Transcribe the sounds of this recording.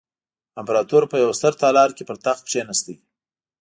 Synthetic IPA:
ɪmpɾɑt̪uɾpəjawst̪əɾt̪ɑlɑɾkepəɾt̪axpʂenast̪aj

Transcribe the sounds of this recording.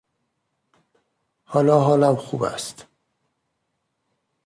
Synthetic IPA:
hɒːlɒːɦɒːlæmxuːbæ̰st̪

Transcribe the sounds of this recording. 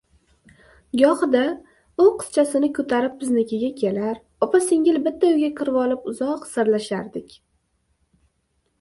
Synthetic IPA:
ɡɒhɨd̪a | ʊqʰɨ̥st͡ʃʰasɪnɪkʰɵt̪ʰaɾɪp̚bɪznɪkʲʰɪɡʲakʲʰe̞laɾ | ɒpasɪŋɡʲɪlbɪt̪ʰːaʊɡʲakʰʲɨɾvɒlˠɪpʊzɒqsaɾlaʃaɾd̪ɪkʲ

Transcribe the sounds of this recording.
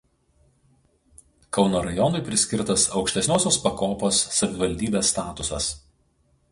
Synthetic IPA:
kɒʊnoːɾɐjɔnʊɪpʲɾʲɪsʲkʲɪɾt̪ɐsɒʊkʃʲt̪ʲɛsʲnʲoːsʲoːspɐkoːpoːsːɐʋʲɪʋɐlʲd̪ʲiːbʲeːsːt̪ɑːt̪ʊsɐ̰s

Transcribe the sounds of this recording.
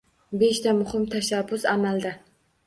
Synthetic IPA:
be̞ʃt̪ʰamʊhɪmt̪ʰaʃabːʊsamald̪a

